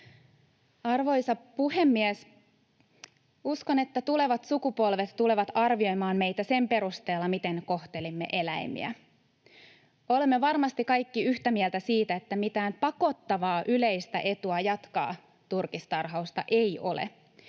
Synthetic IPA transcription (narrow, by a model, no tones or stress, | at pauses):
ɑrʋo̞jsɑpuhe̞mːiɛs | uskone̞t̪ːæt̪ule̞ʋɑt̪sukupo̞lʋe̞t̪tule̞ʋɑt̪ɑrʋio̞jmɑːnme̞jt̪æse̞mpe̞ɾust̪e̞ːlːɑmit̪e̞nko̞ht̪e̞limːe̞̰ʔe̞læjmḭæ̰ | o̞lemːe̞ʋɑrmɑst̪ikɑjkːiyçt̪æmiɛlt̪æsiːt̪æet̪ːæmit̪æːmpɑko̞t̪ːɑʋɑːʔyle̞jst̪æ̰ʔe̞t̪uɑjɑt̪kɑ̰ː | t̪urkist̪ɑrɦɑust̪ɑ̰ʔe̞jo̞̰lḛ